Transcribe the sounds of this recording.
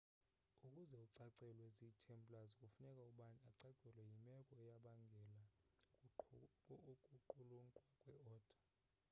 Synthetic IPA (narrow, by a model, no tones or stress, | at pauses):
ukʼuzɛuǀaǀɛlwɛzitʰɛmpʼulazik̬ʼufunɛkʼauɓaniaǀaǀɛlwɛjimɛkʼɔɛjaɓaŋɡʱɛla | kʼuǃuluŋǃʼwakʼwɛɔːd̥ʰʱa